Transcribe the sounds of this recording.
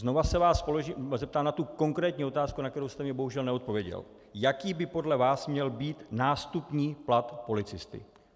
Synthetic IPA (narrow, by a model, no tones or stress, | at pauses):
zno̞vasɛvaːspo̞loʒiːmzɛp̚t̪aːmnat̪uko̞ŋkɾɛːt̪ɲiːo̞t̪aːskunak̚t̪ɛɾo̞wst̪ɛmɲɛbo̞ɦuʒɛlnɛo̞t̪̚po̞vjɛɟɛ̰l | jakiːbɪpo̞dlɛvaːsmɲɛlbiːt̪naːst̪upɲiːplat̪po̞lɪt͡sɪst̪ɪ̰